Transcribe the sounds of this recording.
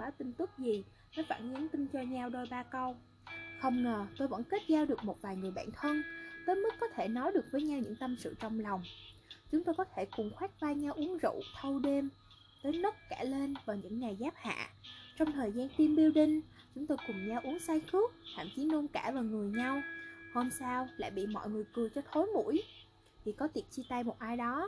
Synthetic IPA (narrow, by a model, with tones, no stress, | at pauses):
aː˨˦wt̪ï˧ŋ̟t̪ɨ˦˥k̚zi˨˩ | nɔ˨˦jfa̰ː˧˩nʔɨ˨˦nt̪ï˧ŋ̟t͡ɕɔ˧ɲa˧wɗo˧jɓaː˧kə˧w | xə˧wŋ͡mŋəː˨˩t̪o˧jvə̰˧˥nke˦˥t̚zaː˧wɗɨ˨˩ək̚mo˨˩t̚vaː˨˩jŋɨ˨˩əjɓa̰ː˧˨nt̪ʰə˧nt̪əː˨˦jmɨ˦˥kːɔ˨˦t̪ʰe˧˩nɔ˨˦jɗɨ˨˩ək̚vəː˨˦jɲa˧wɲɨ̰˧˥ŋt̪ə˧msɨ̰˧˨t͡ɕɔ˧wŋ͡mla˨˩wŋ͡mt͡ɕʊ˨˦ŋ͡mt̪o˧jkɔ˨˦t̪ʰe˧˩kʊ˨˩ŋ͡mxwaː˦˥k̚vaː˧ɲa˧wʔu˨˦əŋzṵ˧˨t̪ʰə˧wɗe˧m | t̪əː˨˦jnə˦˥t̚kaː˧˩le˧nvaː˨˩ɲɨ̰˧˥ŋːa˨˩jzaː˦˥p̚ha̰ː˧˨t͡ɕɔ˧wŋ͡mt̪ʰəː˨˩jzaː˧nt̪i˧mɓi˧əwɗï˧ŋ̟ | t͡ɕʊ˨˦ŋ͡mt̪o˧jkʊ˨˩ŋ͡mɲa˧wʔu˨˦əŋsaː˧jxɨ˦˥ək̚t̪ʰa̰ː˧˨mt͡ɕi˨˦no˧nkaː˧˩vaː˨˩ŋɨ˨˩əjɲa˧who˧msaː˧wla̰ː˧˨jɓḭ˧˨mɔ̰˧˨jŋɨ˨˩əjkɨ˨˩ət͡ɕɔ˧t̪ʰo˨˦jmṵ˧˥j | t̪ʰi˨˩kɔ˨˦t̪i˨˩ət̚t͡ɕi˧t̪aː˧jmo˨˩t̚ʔaː˧jɗɔ˨˦